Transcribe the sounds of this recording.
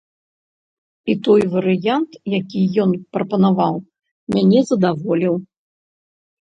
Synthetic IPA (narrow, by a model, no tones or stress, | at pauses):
it̪ɔjvɐɾɨjant̪jakʲijɔnpɾɐpɐnavaw | mʲanʲɛzɐd̪avɔlʲiw